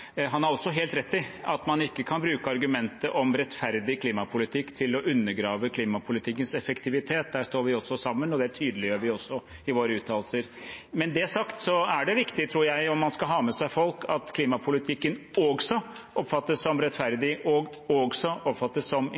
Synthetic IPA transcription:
ɦɑnæɾɔsːɔɦeːlt̪ɾɛt̪ːɪɑt̪mɑnɪkːəkʰɑnbɾʉːkəɑɾɡʉmɛnt̪əʔɔmɾɛt̪fæɾd̪ɪkʰliːmɑpʰʊlɪt̪ʰɪkːt̪ʰɪlɔʔʉnːəɾɡɾɑːʋəkʰliːmɑpʰʊlɪt̪ʰɪkːənsɛfəkt̪ʰɪʋɪt̪ʰeːt̪̚d̪æːʂt̪oːɾʋɪɔsːɔsɑmːənɔd̪ɛæʈʰyːd̪əlɪjøːɾʋɪɔsːɔ | ɪʋoːɾəʉːt̪ʰɑːlsəɾmɛnd̪ɛæsɑkt̪sɔæɖɛʋɪkt̪ɪt̪ʰɾuːɾjæɪɔmːɑnskɑlɦɑːmɛsæɪfɔlkʰɑt̪kʰliːmɑpʰʊlɪt̪ʰɪkːənɔɡsɔɔpfɑt̪ːəsːɔmɾɛt̪fæɾd̪ɪʔɔɡ | ɔɡsɔɔpfɑt̪ːəsːɔm

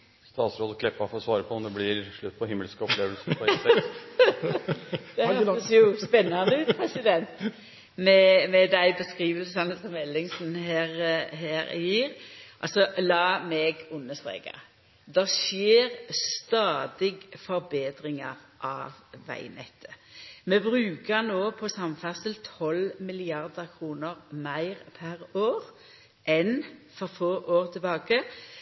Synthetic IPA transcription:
st̪ɑːt̪sɾoːd̪əkʰlɛpːɑfɔɾɔsʋɑːɾəpʰɔɔmd̪ɛblɪɾʂɭʉt̪ːpʰɔhɪmːəlskəɔpleːʋəlsəpɔɛɛ | d̪ɛhɔsjʊspɛnːɑnəpʰɾɛsɪd̪ɛnt̪ | mɛmɛd̪æɪbəskʁiːʋəlsɑnəsɔmɛlːɪŋsn̩ɦæːɾɦæːɾjiːɾʔɑ̰lsɔlɑːmɛːɡʊnːəstʁɛ̰ːɡɑ̰ | d̪ɛsjeːʁst̪ɑːd̪ɪɡfɔɾbeːd̪ɾɪŋɑʁʔɑʋʋæ̰ɪnɛ̰t̪ʰːə̥mɛbɾʉːkəʁnoːpʰɔsɑmfæʁsəlt̪ʰɔlmɪlɪɑʁd̪əkʰʁuːnəʁmæɪʁpʰæʁoːʁ | ʔɛnfɔɾfoːʔoːʁt̪ʰɪbɑːɡə

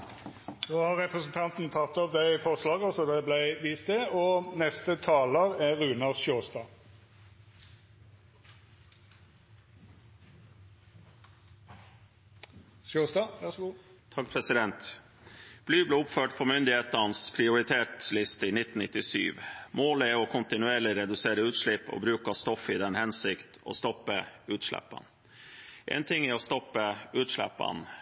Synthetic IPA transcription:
noːhɑʁʁɛpʁəsn̩t̪ʰɑnt̪n̩t̪ʰɑt̪ːɑʋd̪ɛɪfɔʁslɑːɡɔsɔd̪ɛblæɪʋiːst̪eoːnɛst̪ət̪ʰɑːləʁæʁʉːnɑʁʃjoːst̪ɑː | ʃoːst̪ɑʋæst̪ʰɑk̚pʰɾɛsɪd̪ɛnt̪ | b̥lyːbleːʊpføːʈpʰoːmʏnd̪ɪheːt̪ɑnspʰɾɪʊɾɪt̪ʰeːʈlɪst̪əiːnɪt̪n̩nɪt̪ɪsy̰ːʋmoːlæɔkʰʊnt̪ɪnʉeːɭɪɾɛd̪ʉseːɾəʉːt̪ʂɭɪpːo̰bɾʉːkɑst̪ɔfːɪd̪ɛnhɛnsɪkt̪o̰ːst̪ɔpːəʉːt̪ʂlæ̰pːɑ̰n | ʔɛ̰ːnt̪ʰɪŋːɪɔst̪ɔpːəʉːt̪ʂɭæ̰pːɑ̰n

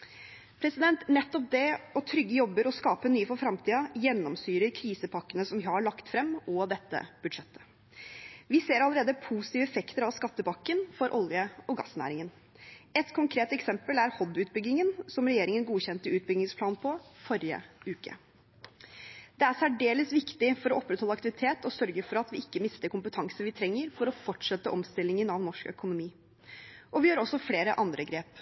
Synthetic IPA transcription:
pʰɾɛsɪd̪ɛnt̪nɛt̪ːɔp̚d̪ɛɔt̪ʰɾʏɡːəjɔbːəɾɔskɑːpənyːəfɔɾfɾɑmt̪ʰiːɑjɛnːɔmsyːɾəɾkʰɾiːsəpʰɑkːənəsɔmʋɪhɑɭɑkt̪fɾɛmːɔɑd̪ɛt̪ːə̰b̥ʉd̪ʂɛt̪ːə̥ | ʋɪseːɾɑlːˠəɾeːd̪əpʰuːsɪ̥t̪iːʋəɛfɛkt̪əɾɑʋskɑt̪ːəbɑkːənfɔɾʔɔljəɔɡɑ̰snæ̰ːɾɪŋən | ɛt̪kʰʊŋkʰɾeːt̪ɛksɛmpəlæɾhɔd̪ʉːt̪̚bʏɡːɪŋənsɔmɾɛjeːɾɪŋənɡuːçɛnt̪əʉːt̪̚bʏɡnɪŋspʰlɑːnpʰɔfɔɾjə̰ʉːkə̰ | d̪̥ɛæɾsæɖeːləsʋɪkt̪ɪfɔɾɔɔpːɾɛt̪ɔlːɑkt̪ɪʋɪt̪ʰeːt̪ɔsœɾɡəfɔɾɑt̪ʋɪɪkːəmɪst̪əɾkʊmpət̪ʰɑŋsəʋɪt̪ʰɾɛŋːəɾfɔɾɔfɔʈʂɛt̪ːəʔɔmst̪ɪlːɪŋənɑʋnɔʂkœ̰kʊnʊmiː | ʔɔʋɪjøːɾɔsːɔfleːɾəʔɑnd̪ɾəɡɾeːp

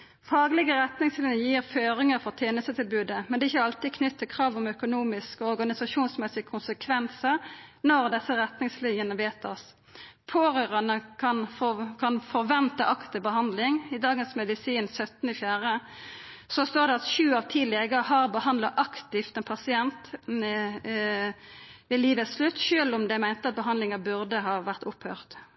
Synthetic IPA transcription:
fɑːɡlɪɡəɾɛt̪nɪŋslɪnjəjiːʁføːɾɪŋəɾfɔʁt̪ʰjeːnəst̪ət̪ɪlbʉːd̪əmɛnd̪ɛɪçːəɑlt̪ɪkʰnʏt̪ʰːəkʰʁɑːʋɔmœkʊnuːmɪskɔɾɡɑnɪsɑʂuːnsmɛsɪəkʰʊnsəkʰʋɛnsəʁnɔʁd̪ɛsːəʁɛt̪nɪŋslɪnjənəʋeːt̪ɑs | pʰoːʁøːʁɑnəkʰɑnkʰɑnfɔʁʋɛnt̪əʔɑkt̪əbəhɑnd̪lɪŋɪd̪ɑːɡənsmɛd̪ɪsiːnsœt̪nɪfjæːʁə | sɔst̪oːʁd̪ɛɑt̪ʃʉːɑʋt̪ʰiːlɛɡəɦɑːʁbəhɑnd̪lɑʔɑkt̪ɪft̪ɛnpʰɑsɪɛnt̪ | ʋɪliːʋətsslʉt̪ːʃøːlʊmd̪ɛmæɪnt̪əɑt̪̚bəɦɑnd̪lɪŋəbʉʁd̪əɦɑːʋæʁt̪ʊphøːʁt̪

